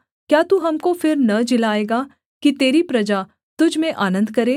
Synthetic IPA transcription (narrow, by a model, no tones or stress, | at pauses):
kjaːt̪uːɦɐmkofɪɾnɐd͡ʒɪlaːeːɡaː | kit̪eːɾipɾɐd͡ʒaː | t̪ʊd͡ʒʱmẽʔaːnə̃nd̪kɐɾeː